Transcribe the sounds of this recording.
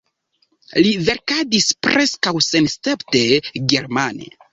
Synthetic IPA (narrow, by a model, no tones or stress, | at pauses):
live̞ɾkadispɾeskawsenstepte̞ɡe̞ɾmanḛ